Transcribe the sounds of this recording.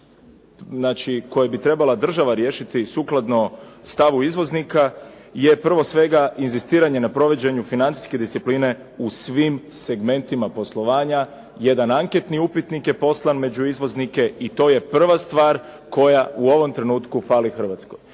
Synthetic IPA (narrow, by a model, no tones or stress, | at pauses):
znaːt͡ʃiko̞jabit̪ɾe̞balˠad̪r̩ʒaʋaɾje̞ːʃit̪isuklˠad̪no̞st̪aʋuizʋo̞znika | je̞pr̩ʋo̞sʋe̞ɡaʔinzist̪iːɾaɲe̞napɾo̞ʋe̞d͡ʑe̞ɲufinant̪si̥ske̞d̪ist̪ipliːne̞ | usʋimse̞ɡme̞nt̪imapo̞slˠo̞ʋaːɲa | je̞d̪anaŋket̪niupit̪nikje̞po̞slˠanme̞d͡ʑuizʋo̞znike̞it̪o̞ːje̞pr̩ʋast̪ʋaːɾ | ko̞jauo̞ʋo̞mt̪ɾe̞nuːt̪kufaːlixr̩ʋat̪sko̞j